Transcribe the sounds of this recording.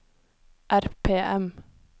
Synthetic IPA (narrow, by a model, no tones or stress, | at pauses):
ʔæɾpʰeːʔɛm